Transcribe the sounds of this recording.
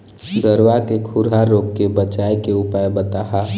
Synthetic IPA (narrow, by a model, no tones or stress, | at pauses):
ɡəɾwakekʰuɾɦaɾokːebət͡ʃajkeupajbət̪aɦa